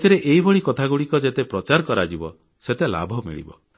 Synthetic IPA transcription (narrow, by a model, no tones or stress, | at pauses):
t̪ʰiɾeʔeibɔɭikɔt̪ʰaɡuɽikɔd͡ʒet̪epɾɔt͡ʃaɾkɔɾad͡ʒibɔ | set̪ela̰bʱɔmḭɭḭbɔ